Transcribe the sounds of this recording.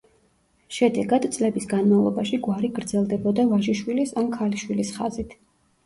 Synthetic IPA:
ʃɛd̪ɛɡad̪t̪sʼlɛbisɡanmavlˠɔ̰baʃiɡwaɾiɡɾd̪zɛlˠd̪ɛbɔd̪avaʒiʃwilisamkʰaliʃwilisχa̰zit̪ʰ

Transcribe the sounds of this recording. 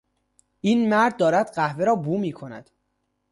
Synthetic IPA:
ʔiːnmæɾd̪̚ːɒːɾæd̪ɢæhveɾɒːbuːmiːkʰo̞næ̰d̪̥

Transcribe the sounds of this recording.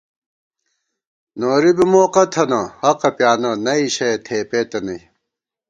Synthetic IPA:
noːɾibimoːqɐt̪ʰɐnɐhɐqɐpjaːnɐnɐiɕɐt̪ʰeːpeːt̪ɐnɐi

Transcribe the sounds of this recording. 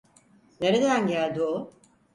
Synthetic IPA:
ne̞ɾed̪ænɟælʲd̪io

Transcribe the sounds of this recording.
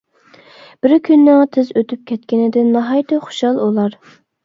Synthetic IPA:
b̥ɪɾkʲʰynːɪŋt̪ʰɪzøt̪ʰyp̚kʲʰɛt̪̚kʲɪnɪd̪ɪnːɑɦɑjt̪ɪχʊ̥ʃɑlˠulˠɑɾ

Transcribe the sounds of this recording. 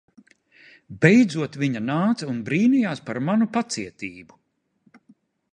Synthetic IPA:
bɛjd̪zuɔt̪viɲanaːt̪saunbɾiːnijaːspaɾmanupat̪siɛt̪iːbu

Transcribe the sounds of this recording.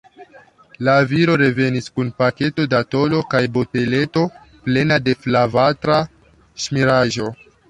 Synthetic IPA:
laviɾo̞ɾe̞ve̞niskunpake̞to̞dato̞lo̞kajbo̞te̞le̞to̞ | ple̞nade̞flavatɾa | ʃmiɾaʒo̞

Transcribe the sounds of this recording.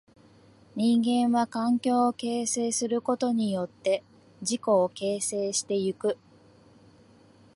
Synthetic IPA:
ɲ̟ĩŋɡẽ̞ɰ̃βakãŋkʲo̞ːke̞ːse̞ːsɨɾɯ̟ko̞t̪o̞ɲ̟ijo̞t̪ːe̞ | d͡ʑiko̞ːke̞ːse̞ːɕi̥t̪e̞jɯkɯ̟

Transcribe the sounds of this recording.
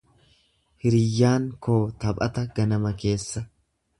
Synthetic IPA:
hɪɾɪjːaːŋko̞ːt̪ɐbʼɐt̪ɐɡɐnɐmɐke̞ːsːɐ

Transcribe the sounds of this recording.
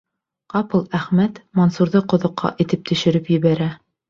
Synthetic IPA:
qɑpɤlˠæχmæt̪monsuɾðɤqŏðŏqːɑ̰ʔit̪ɘp̚t̪ʰɵ̆ʃɘ̆ɾɘpjɘ̆βæɾæ

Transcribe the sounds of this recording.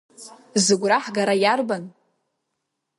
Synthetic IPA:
zɨɡʷraħɡaɾajarban

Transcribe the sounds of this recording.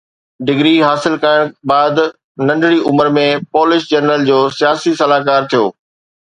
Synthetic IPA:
ɖɪɡɾiɦaːsɪlkaɪɽ̃baːd̪ | nɐ̃ɳɖʱɪɽiʔʊməɾmẽpɔːlɪʃd͡ʑɐɾnəɾəld͡ʑoːsijaːsisɐlaːkaːɾt̪ʰijoː

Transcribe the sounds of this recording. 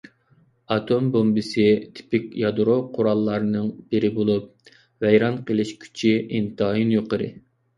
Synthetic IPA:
ɑt̪ʰombombɨsɪt̪ʰi̥pɪkʲjɑd̪ɾoqʰʊɾɑlˠːɑɾnɨŋbɪɾɪbolˠup̚ | vɛjɾɑnqʰəlˠɪʃkʲʰy̥t͡ʃʰiint̪ɨɦɑjinjoqəɾɨ̰

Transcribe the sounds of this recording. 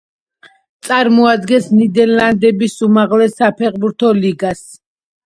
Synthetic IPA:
t̪sʼaɾmɔad̪ɡɛnsnid̪ɛnland̪ɛbisumaʁlɛsapʰɛqbuɾt̪ʰɔliɡas

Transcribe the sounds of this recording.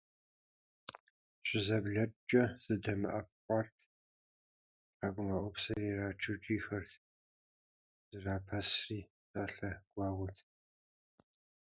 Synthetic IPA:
ɕʼɪzɐbɮɐp̚t͡ʃʼɐz̥ɨdɐmɨʔɐp̚qʷʼɑtʰ | tħaːɡʷʊmɐʔʷʊpsɐriːraːt͡ʃʰɨt͡ʃʼiːxɐrtʰ | z̥ɨraːpʰɐsriː | saːɬɐɡ̥ʷɑːʁʷʊtʰ

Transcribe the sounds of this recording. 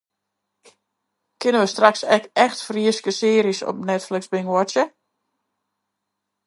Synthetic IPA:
kɪnəʋəstraksɛkɛxtfriəskəsɪəɾisɔ̰p̚nɛtflɪksbɪŋwɔtjə

